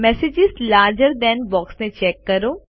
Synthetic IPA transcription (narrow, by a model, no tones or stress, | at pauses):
mɛsɪd͡ʒɪzlaːɾd͡ʒəɾd̪ɛ̃nbɔːksmẽt͡ʃɛːkːɐɾoː